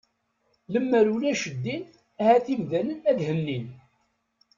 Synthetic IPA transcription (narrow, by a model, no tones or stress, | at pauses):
ləmːəɾulæʃəd̪ːin | æhæθimðælənæðhənːin